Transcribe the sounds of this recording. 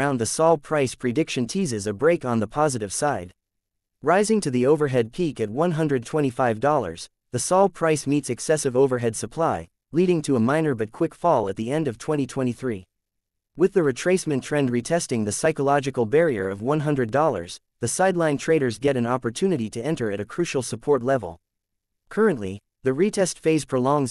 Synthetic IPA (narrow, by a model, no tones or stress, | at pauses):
ãʊ̃nðɨsɔlˠd̚pʰɹ̥aɪspʰɹ̥idɪkʃɨ̃ntʰizɨzɨbɹeɪkn̩ðəpʰɑzɨɾɨv̥saɪd̚ | ɹaɪzɪ̃ŋtʰɨðioʊvə˞ɦɛd̚pʰikɨt̬̚wʌ̃nɦʌ̃ndɹɨd̚tʰw̥ɛ̃ɾ̃ifaɪvdɔlˠə̰˞z̥ | ðɨsɔl̚ˠpʰɹ̥aɪsmitsɨksɛsɨvoʊvə˞ɦɛd̥sɨpʰl̥aɪ | liɾɪ̃ŋtʰɨəmãɪ̃nə˞bʌt̚kʰw̥ɪkfɔlˠət̪̚ðiɛ̃ndʌv̥tʰw̥ɛ̃ɾ̃itʰw̥ɛ̃ɾ̃iθɹi | wɨðɨɹɨtʰɹ̥eɪsmɨ̃ntʰɹ̥ɛ̃nd̚ɹitʰɛstɪ̃ŋðɨsaɪkəlɑd͡ʒɨkl̩ˠbɛɹiə̰˞ʌvwʌ̃nɦʌ̃ndɹɨdɔlˠə̰˞z̥ | ðɨsaɪdˡlãɪ̃ntʰɹ̥eɪɾə˞zɡɛɾɨ̃nɑpə˞tʰʉnɨɾiɾɨɛ̃ntə˞ɨɾɨkʰɹ̥ʉʃl̩ˠsəpʰɔɹtˡlɛvl̩ˠ | kʰɜ˞ɨ̃nʔˡli | ðɨɹitʰɛstfeɪz̥pʰɹ̥olɔ̃ŋz